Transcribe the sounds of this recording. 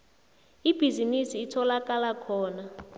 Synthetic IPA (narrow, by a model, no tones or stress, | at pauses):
ib̥ʱizinisiːtʰɔlak̬ʼalakʰɔːna